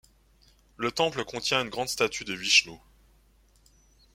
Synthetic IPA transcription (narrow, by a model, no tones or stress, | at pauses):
lət̪ɑ̃pləkɔ̃t̪jɛ̃ynɡʁɑ̃d̪st̪at̪ʰyd̪əviʃno